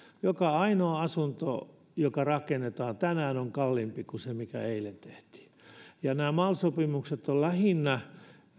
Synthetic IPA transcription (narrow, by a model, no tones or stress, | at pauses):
jokɑɑinoːɑsunt̪o̰ | jokɑrɑkenːet̪ɑːnt̪ænæːnoŋkɑlːimpikusemikæ̰eilːent̪eht̪i̥ː | jɑnæːmɑːlsopimukset̪ollæhinːæ